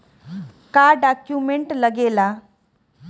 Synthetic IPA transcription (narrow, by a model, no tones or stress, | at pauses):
kaɖakjumeɳʈləɡela